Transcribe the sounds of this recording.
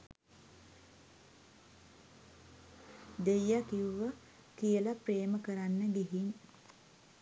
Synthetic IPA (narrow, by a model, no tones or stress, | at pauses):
d̪ejːakiwʋə | kijəlapreːməkəɾanːəɡiɦin